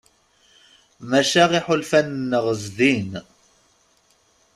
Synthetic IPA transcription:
mæʃæʁiħʊlfænnːəʁəzðin

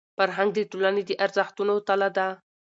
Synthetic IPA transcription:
faɾɦaŋɡ̚d̪əʈolaned̪əʔaɾzəxt̪unot̪alad̪a

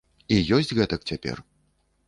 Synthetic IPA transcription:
ijɔsʲt͡sʲɣɛt̪ɐk̚t͡sʲapʲɛ̰r

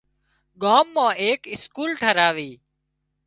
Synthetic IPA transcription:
ɠaːmːãːʔeːkɪskuːlʈʰəɾaːʋiː

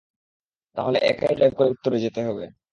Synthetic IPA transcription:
t̪a̰ɦoleʔɛ̰kajlɛb̚koɾeut̪ːoɾed͡ʑet̪eɦɔbe

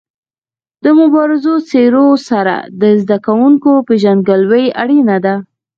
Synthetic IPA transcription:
d̪əmʊbɑɾɪzot͡seɾosaɾa̰d̪əzd̪akawuŋkopeʒand̪ɡəlwəjaɽinad̪a

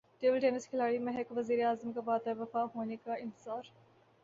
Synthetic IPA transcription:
ɖeːʋəlʈeːnɪskʰɪlaːɽimɛɦɛkʋɐziːɾeaːzəmkabaːd̪əɾʋɐfaːɦoːnekaɪ̃nt̪ɪzaːɾ

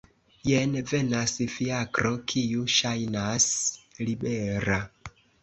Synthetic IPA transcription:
jenve̞nasifiakɾokʰijuʃajnaslibeɾa

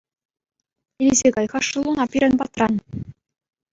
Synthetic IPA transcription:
ilʲizʲeɡɑjʁɑʂulˠunɑpʲiɾʲɘ̆nbɑt̪rɑn

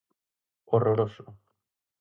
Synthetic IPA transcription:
oroɾoso

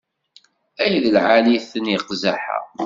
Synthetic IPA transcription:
æjðəlʕaliθənjəqzaħa̰

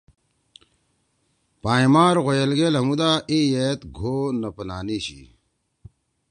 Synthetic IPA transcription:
paːimaːɾɣojɐlɡeːlɦɐmud̪aːejet̪ɡʱoːnɐpɐnaːniːɕḭ

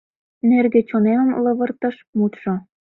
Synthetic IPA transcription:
nerɡĕt͡ɕonemə̆mlɤ̆βɤ̆rt̪ɤ̆ʃmut̪ʃŏ

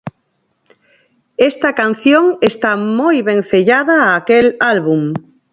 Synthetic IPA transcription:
est̪akan̟θjoŋest̪amojβẽŋθeʎaðaːkelalβum

